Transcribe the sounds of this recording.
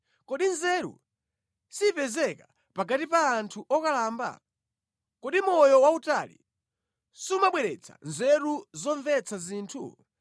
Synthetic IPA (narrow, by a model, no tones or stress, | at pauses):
kɔɗinzɛɾṵ | sipɛzɛka | paɡatipaːntʰuʔɔkalaːmba̰ | kɔɗimɔjɔwautalḭ | sumaɓwɛɾɛt͡sʰḁ̰nzɛɾuzɔɱvɛt͡sʰaziːntʰṵ